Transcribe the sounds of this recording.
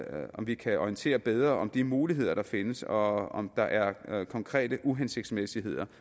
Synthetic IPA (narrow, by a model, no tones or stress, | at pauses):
ɒmʋikʰæɒijənt͡sʰe̝̰ːɐb̥eð̞ˠʁɐʔɒ̽md̥imuːliɦe̝ð̞̰ˠɐɾ̥ɑ̈fe̝nəsɒɒmd̥ɑ̈ʔæɐkʰɒ̽ŋkʰʁɛ̰ːd̥əʔuɦense̝ɡ̥d̥smesiɦe̝ð̞̰ˠɐ